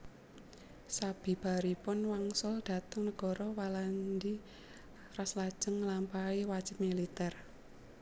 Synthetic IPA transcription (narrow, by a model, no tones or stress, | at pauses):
sab̥i̤b̥a̤ɾipʊnwaŋsʊld̪̥a̤t̪əŋnəɡ̥ɔ̤ɾɔwaland̪i | raslad̥ʒ̥əŋːlampaiwad̥ʒ̥ɪ̤p̚milit̪ɛr